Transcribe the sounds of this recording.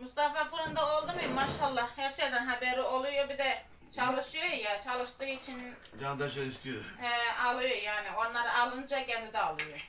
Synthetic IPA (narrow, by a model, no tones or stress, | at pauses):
must̪afafuɾɯnd̪ao̞lˠd̪umɯjmːaʃalˠːɑhæɾʃejd̪ænɦabeɾio̞lˠujobid̪ɛ | t͡ʃʰalˠɯʃɯjojat͡ʃʰalˠɯʃt̪ɯːit͡ʃʰin | d͡ʒand̪aʃelʲiʃt̪ʰijoɛalˠujojaːnionlˠaɾɯalˠɯnɯd͡ʒacʰɛnd̪id̪ɛalˠɯjo